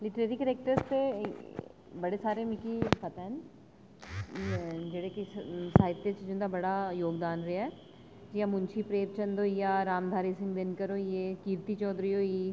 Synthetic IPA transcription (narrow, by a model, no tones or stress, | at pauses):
lɪʈɾeːɾikəɾeːk̚ʈəɾspe | bɐɽesaːɾemɪkipɐt̪ɛːn | d͡ʒeɽekisaːɪt̪ːet͡ʃd͡ʒʊnd̪abɐɽajoːɡd̪aːnɾeɛː | d͡ʒiamʊnt͡ʃʰipɾeːp̚t͡ʃɐ̃nd̪ojaɾaːmd̪ʱaːɾisɪ̃ŋɡb̪enkɐɾojeːkiːɾt̪it͡ʃɔːd̪ɾiɦoːiː